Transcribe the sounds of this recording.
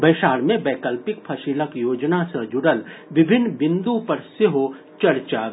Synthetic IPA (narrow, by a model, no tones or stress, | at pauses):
bɐːʃaːɾmẽbɛːkəlpɪkpʰɐʃɪləkjoːd͡ʒnasɐ̃d͡ʒʊɽəlʋɪbʱɪnːbɪ̃nd̪ũpɐɾseɦo | t͡ʃɐɾt͡ʃaː